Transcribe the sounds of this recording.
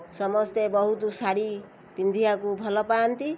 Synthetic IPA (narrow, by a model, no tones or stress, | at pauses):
sʌmʌst̪ebʌɦut̪osaɽi | pind̪ʱiakubʱʌlɔpant̪i